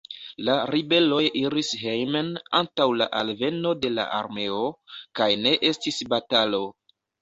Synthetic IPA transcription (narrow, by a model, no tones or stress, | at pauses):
laɾibe̞lo̞jiɾisɦejmena̰ntawlaʔalve̞no̞de̞la̰ʔa̰ɾme̞okajne̞ʔe̞stisbatalo̞